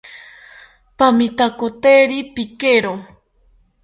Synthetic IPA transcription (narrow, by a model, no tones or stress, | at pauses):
pamit̪akot̪eɾipikeɾo